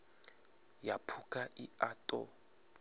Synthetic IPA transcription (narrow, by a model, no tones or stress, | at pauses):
japʰukʼaʔiaːtʼɔ̰